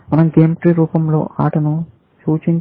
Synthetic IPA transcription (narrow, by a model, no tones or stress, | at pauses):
mɐnɐmɡeːmʈɾiɾuːpɐmlo̞̰ːʔa̰ːʈɐnu | suːt͡ʃiɲ